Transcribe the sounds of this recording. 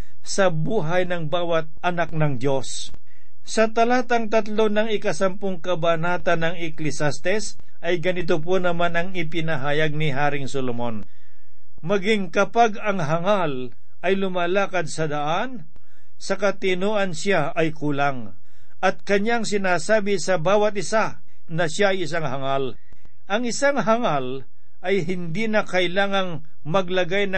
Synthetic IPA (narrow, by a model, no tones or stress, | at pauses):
sɐbuːɦɐjnɐŋbaːwɐt̪̚ʔɐnak̚nɐŋd̪jo̞s | sɐt̪ɐlat̪ɐŋt̪ɐt̪lo̞nɐŋɪkɐsɐmpoŋkɐbanaːt̪ɐnɐŋɛklɪsast̪ɛs | ʔɐjɡɐnɪt̪oponɐmanɐŋɪpɪnɐɦaːjɐɡ̚nɪɦaːɾɪŋsolomon | mɐɡiŋkɐpaɡɐŋɦɐŋal | ʔɐjlʊmalaːkɐd̪̚sɐd̪ɐʔan | sɐkɐt̪ɪnoːʔɐnsja | ɐjkuːlaŋ | ʔɐt̪̚kɐɲaŋsɪnaːsaːbɪsɐbaːwɐt̪̚ʔɪsa | nɐʃjaɐjɪsaŋhɐŋal | ʔɐŋɪsaŋɦɐŋal | ʔɐjɦɪnd̪inɐkɐʔɪlaːŋɐŋ | mɐɡlɐɡajnɐ